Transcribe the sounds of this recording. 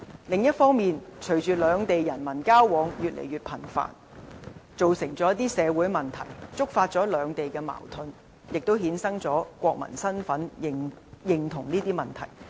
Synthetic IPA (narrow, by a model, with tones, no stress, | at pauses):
lɪ˨ŋjɐ˥t̚fɔː˥ŋmiː˨nt͡ʃʰɵ˨˩ɥt͡ʃyː˨lœː˨˧ŋt̪e˨jːɐ˨˩nmɐ˨˩nkaː˥wːɔː˨˧ŋjyː˨t̚lʔḛ˨˩jɥyː˨t̚pʰɐ˨˩nfa̰ː˨n | t͡so˨wsɪ˨˩ŋt͡sɔː˨˥jɐ˥t̪iː˥sɛː˨˧wu˨˥jmɐ˨nt̪ʰɐ̰˨˩jt͡sʊ˥k̚faː˧t̚t͡sɔː˨˥lœː˨˧ŋt̪e˨jkɛː˧ma̰ː˨˩wt̪ʰɵ˧n | jɪ˨k̚t̪o˥whiː˨˥nsɐ˥ŋt͡sɔː˨˥kʷɔː˧k̚mɐ̰˨˩nsɐ˥nfɐ˨˥n˨jɪ˨ŋt̪ʰʊ˨˩ŋniː˥t̪iː˥mɐ˨˩nt̪ʰɐ̰˨˩j